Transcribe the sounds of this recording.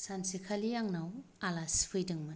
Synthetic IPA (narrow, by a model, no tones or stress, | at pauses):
sansikʰalijaŋnawalaspʰɯjdɯŋmɯ